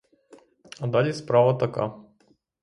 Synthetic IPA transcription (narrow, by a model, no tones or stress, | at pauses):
ad̪aʎʲispɾaʋat̪aka̰